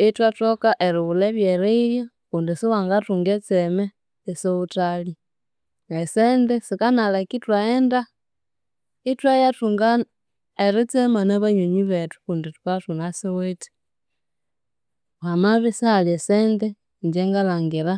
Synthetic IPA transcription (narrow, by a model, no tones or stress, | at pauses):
itwatokaʔeɾiβulɛβjeɾiiβja | kundisiwaŋɡatuŋɡɛt͡sɛmɛː | soβutali | esɛndɛsikanalakitwaenda | itwajatuŋɡa | eɾit͡sɛmanaβaɲoɲiβetu̥kundituβatunasiweti̥ | hamaβisihaliesendɛ | ɲd͡ʒɛŋɡalaŋɡiɾa